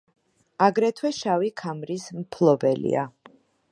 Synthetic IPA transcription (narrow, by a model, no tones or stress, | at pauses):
aɡɾɛt̪ʰwɛʃavikʰamɾismpʰlˠɔbɛlḭa̰